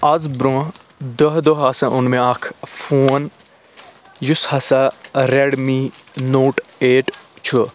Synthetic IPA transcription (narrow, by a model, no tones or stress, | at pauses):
ɐzbɾõː | d̪əɦd̪əɦɐsɐ̃ʔʊnmẽɐkʰfuːn | jushɐsɐɾeɽmi | noːʈeːʈt͡ʃʰu